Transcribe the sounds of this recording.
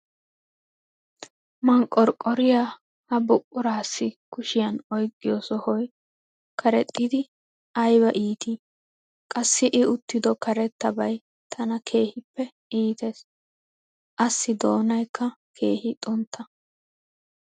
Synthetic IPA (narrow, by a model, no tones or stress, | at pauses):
mɐŋkʼːɔɾkʼɔɾɪjaː | hɐbʊpʼːʊɾaːsːɪkʊʃɪjɐnɔjɡʼɪjɔsɔhɔj | kʰɐɾɛt̪ʼːɪd̪ɪ | ɐjbɐʔiːt̪i | kʼɐsːɪʔɪʊt̪ːɪd̪ɔkɐɾɛt̪ːɐbɐj | t̪ʰɐnɐkʰe̞ːhɪpːɛ | ʔiːt̪eːs | ʔɐsːɪd̪o̞ːnɐjkʰːɐkʰe̞ːhɪt̪ʼʊnt̪ʰːɐ